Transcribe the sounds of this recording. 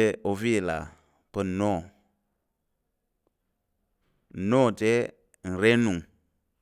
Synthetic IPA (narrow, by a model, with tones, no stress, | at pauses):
e˦o˧fi˦e˨la̰˨ | pə˦˨nɔ̃ː˦˨ | nɔ̃ː˦˨tɛː˦ | ŋ̩˨ɾɛ˦nũ˨